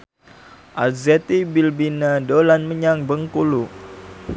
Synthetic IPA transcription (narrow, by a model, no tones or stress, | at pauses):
ʔazɛt̪ibilbinadolanməɲaŋbəŋkulu